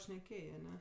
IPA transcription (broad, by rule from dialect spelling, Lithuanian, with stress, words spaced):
ʃʲnʲɛˈkʲeːjeː ɐˈnʲɛ